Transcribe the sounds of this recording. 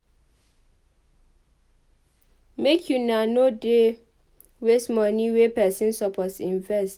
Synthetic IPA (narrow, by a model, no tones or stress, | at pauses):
mekʰjunanode | wesmɔniwepɛsĩnsɔpʰɔtsĩɱvɛst